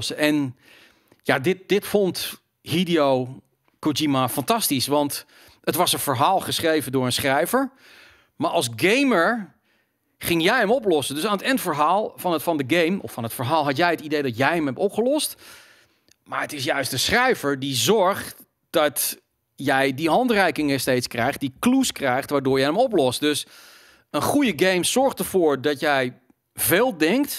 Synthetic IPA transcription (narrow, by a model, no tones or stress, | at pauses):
səʔɛn | jadɪt̚d̥ɪtfɔnt | ɦidijow | kud͡ʒimafɑntɑstisʋɑnt | ətʋɑsənvəɹɦaːlˠχəsχrejvəndʊːɹə̃nsχrɛjvəɹ | maːɹʔɑlˠzɡejməɹ | χɪŋjɛjəmɔp̬lɔsədɵsaːnətɛntfəɹɦaːlˠvɑnətfɑndəɡejmʔɔ̰fɑnətfəɹɦaːlˠɦɑtjɛjɦətidejdɑtjɛjɦəmɦɛp̚tɔpχəlɔst | maːɹətɪsjœɥstdəsχrɛjvəɹdizɔɹχt | d̥ɑt | jɛjdiɦɑntrɛjkɪŋəstejtskrɛjχt̚dikluskrɛjχtʋaːɹdʊːɹjɛjəmɔplɔst̚dɵs | ənχujəɡejmsɔɹχtəɹv̥ʊːɹdɑtjɛj | veːlˠdɛŋkt